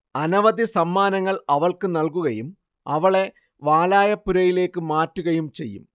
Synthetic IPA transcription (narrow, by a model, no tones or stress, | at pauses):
ɐnɐʋɐd̪isɐmːaːnɐŋːɐɭɐʋɐɭkɨnɐlkuɣɐjum | ɐʋɐɭe̞ | ʋaːlaːjɐpːuɾɐjile̞ːkːɨmaːtːuɣɐjumt͡ɕe̞̰jːṵm